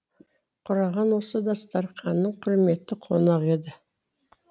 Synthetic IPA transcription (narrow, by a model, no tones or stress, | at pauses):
qʰʊɾɑʁɑnwo̞səd̪ɑst̪ɑɾqʰɑnːəɴqʰʊɾme̞t̪ɪqʰo̞nɑʁe̞d̪ɪ